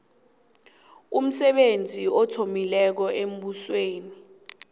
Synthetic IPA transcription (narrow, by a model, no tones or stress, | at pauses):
um̩sɛɓend͡zʱiɔtʰomilɛk̬ɔem̩ɓusweːni